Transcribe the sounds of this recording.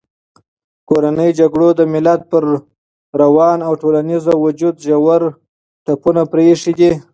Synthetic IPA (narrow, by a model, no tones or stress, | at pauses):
koɾanəjd͡ʒaɡɽod̪əmɪlat̪̚pəɾ | ɾawɑnawʈolanizawʊd͡ʒud̪ʒawaɾ | ʈapunapɾeʂid̪i